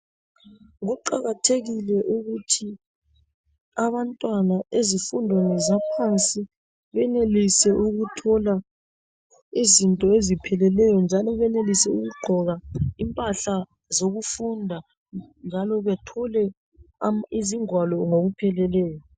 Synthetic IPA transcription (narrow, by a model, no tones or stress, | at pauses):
ɣɔǃa̰ɣatʰeɣilɛʔuɣutʰi | aβantʼwanaʔezifundʱonɛzapʰant͡sʼi | βɛnelisɛʔuɣutʰɔla | izintʼɔezipʰɛlɛlɛjɔnd͡ʒʱalɔβɛnelisɛuɣuɡ͡ǃʱɔɣaimpʼaɬa | zoɣufundʱa | nd͡ʒʱalɔβɛtʰɔlɛ | iziŋwalɔŋoɣupʰɛlɛlɛːjɔ